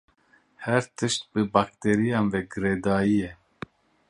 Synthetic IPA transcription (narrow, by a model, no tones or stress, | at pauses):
hɛɾt̪ʰɨʃt̪̚bɨbaːk̚t̪ʰeːɾijɑːnvɛɡɨɾeːd̪ɑːjijɛ